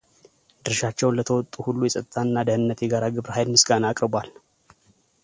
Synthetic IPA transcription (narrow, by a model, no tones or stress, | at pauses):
d̪ɨɾʃat͡ʃːɛwnlət̪ʰəwɔt̪ʼːuhulːujɛsʼət̪ʼət̪ʰaɨnːad̪əhɨnːət̪jɛɡaɾaɡɨβɾhajlmɨsɡanaakʼɾɨbal